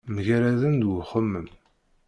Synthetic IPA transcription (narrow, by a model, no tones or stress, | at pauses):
məʝæɾæðənd̪wχəmːəm